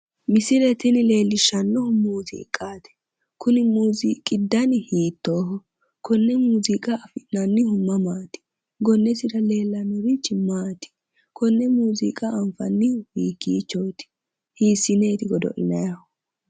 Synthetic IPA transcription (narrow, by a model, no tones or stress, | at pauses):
mɪsɪɾɛt̪ɪnɪle̞ːlːɪʃɐnːɔhʊmuːzḭːkʼːaːt̪ɪ̥ | kʊnɪmuːziːkʼːɪd̪ːɐnɪhiːt̪ːoːhɔ | kʰɔnːɛmuːzikʼɐːfɪnɐnːɪhʊmːɐmaːt̪ɪ̥ | ɡɔnːɛsɪɾɐle̞ːlːɐnːɔɾɪt͡ʃːɪmaːt̪ɪ̥ | kʰɔnːɛmuːzḭkʼɐɐmfɐ̰nːɪhiːkːiːt͡ʃːɔwt̪ɪ̥ | hiːsɪneːt̪ɪɡɔd̪ɔ̰ʔɪ̰nɐjɐhɔ